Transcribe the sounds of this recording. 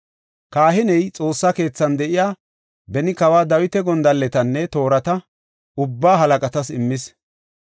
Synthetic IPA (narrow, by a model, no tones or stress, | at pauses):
kaːɦɪnɛjt͡sʼo̞ːsːake̞ːt͡sːɐnd̪ɛʔɪjaː | bɛnɪkɐwaːd̪ɐwɪt̪ɛɡɔnd̪ɐlːɛt̪ɐnːɛt̪o̞ːɾɐt̪ɐ | ʊbːaːɦɐlɐkʼɐt̪ɐsɪmːɪs